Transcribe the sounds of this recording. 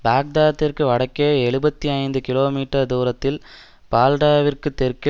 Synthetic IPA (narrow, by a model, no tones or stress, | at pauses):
baːk̚d̪aːt̪ːɪrkɯʋɐɽɐkːeːɛɻɯbɐt̪ːiɐɪnd̪ɯkɪloːmiːʈːɐɾd̪uːɾɐt̪ːɪl | paːlɖaːʋɪrkɯt̪ːɛɾkɪ